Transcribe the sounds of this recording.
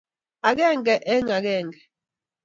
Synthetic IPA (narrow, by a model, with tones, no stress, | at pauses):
a˨k̬ɛ˦˨ŋɡɛ˨ʔɛ˦ŋa˨k̬ɛː˦˨ŋɡɛ˨